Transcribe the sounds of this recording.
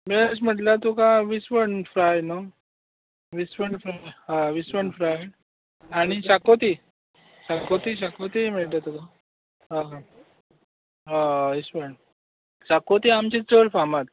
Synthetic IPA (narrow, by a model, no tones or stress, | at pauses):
bes̬m̤əʈlat̪ukãʋisʋəɳfɾajno | ʋisʋəɳfɾajɦãʋisʋəɳɖfɾajɽ | aɽ̃isakot̪i | sakot̪isakot̪im̤eɭt̪at̪ukã | ɦã | ɦaʋisʋəɳ | sakot̪iamt͡ɕit͡səɾfamat̪